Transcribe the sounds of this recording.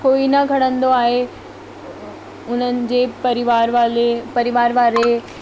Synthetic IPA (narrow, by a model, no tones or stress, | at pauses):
koːinɐɡʱɐɽ̤ə̃nd̪oaːɦe | ʊn̤ənɪ̆d͡ʑeːpɐɾɪʋaːɾʋaːlepɐɾɪʋaːɾʋaːɾe